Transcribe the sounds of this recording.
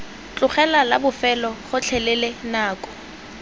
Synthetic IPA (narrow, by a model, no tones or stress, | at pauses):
t͡ɬʼʊχɛlalabʊfɛlɔχʊt͡ɬʰɛlɛlenaːkʼɔ̥